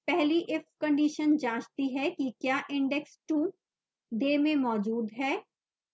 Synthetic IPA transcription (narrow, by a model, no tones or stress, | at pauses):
pɛɦliʔɪfkɐ̃ɳɖiːʃənd͡ʒaːt͡ʃt̪iɦɛkikjaːʔɪ̃ɳɖɛksʈũː | ɖeːmẽmɔːd͡ʒuːd̪ɦɛː